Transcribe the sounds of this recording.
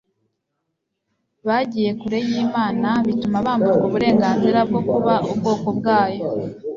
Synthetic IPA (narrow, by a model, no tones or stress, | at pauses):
βaɟiːje̞kuɾe̞jiːmaːnaβitumaβaːmbuɾɡuβuɾe̞ːŋɡaːnziɾab̚ɡo̞kuβaubɡo̞ːko̞bɡaːjo